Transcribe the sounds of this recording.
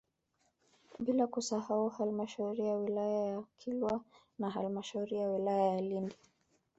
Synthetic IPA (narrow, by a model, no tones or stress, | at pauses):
bilakusahauhalmaʃauɾijawilajajakʰilwa | naɦalmaʃauɾijawilajajalindi